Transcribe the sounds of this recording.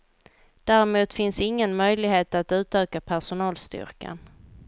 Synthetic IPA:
d̪̥æːɾɪmuːt̪fɪnsɪŋːənmœjlɪɡheːt̪at̪ʉ̟ːt̪øːkapʰæʂʊnɑːlst̪ʏ̰ɾka̰n

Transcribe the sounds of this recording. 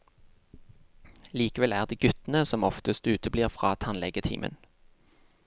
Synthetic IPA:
liːkəʋɛlæːʁd̪eːɡʉt̪nəsɔmɔft̪əst̪ʉːt̪ʰəbliːʁfʁɑːt̪ʰɑnlɛɡət̪ʰḭːmə̰n

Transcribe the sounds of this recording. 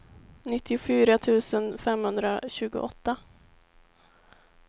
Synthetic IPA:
nɪt̪ːɪʊfyːɾat̪ʰʉ̟ːsənfɛmhɵnd̪ɾaɕʉ̟ːɡʊ̰ʔɔt̪ːa

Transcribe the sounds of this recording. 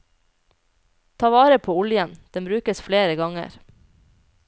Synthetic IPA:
t̪ʰɑːʋɑːɾəpʰoːʊljənd̪̥ɛmbɾʉːkəsfleːɾəɡɑŋə̰ɾ

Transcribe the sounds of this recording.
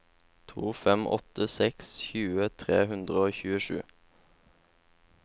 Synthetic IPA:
t̪ʰuːfɛmʔɔ̰t̪əsɛksçʉːət̪ʰʁeːhʉnd̪ʁəoːçʉːəʃʉ̰ː

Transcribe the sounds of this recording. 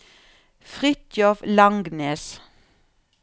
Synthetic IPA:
fʁʏt̪jɔflɑŋɡneːs

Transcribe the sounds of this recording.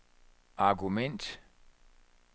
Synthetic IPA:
ʔɑɡumen̰d̥

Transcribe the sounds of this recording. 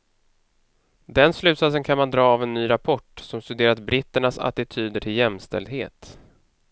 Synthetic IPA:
d̪ɛnslʉ̟ːt̪sat̪sənkʰanmand̪ɾɑːavɛnːyːɾapʰɔʈːsɔmst̪ɵd̪eːɾat̪̚bɾɪt̪ːəɳasa̰t̪ɪt̪ʰyːd̪əʈʰɪljɛmst̪ɛ̰ld̪ɦḛːt̪

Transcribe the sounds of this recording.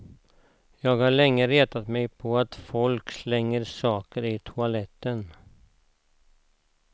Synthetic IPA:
jɑːɡhaɭɛŋːəɾeːt̪at̪mɛjpʰɔat̪fɔlkslɛŋːəɾsɑːkəɾɪt̪ʰʊalɛt̪ːən

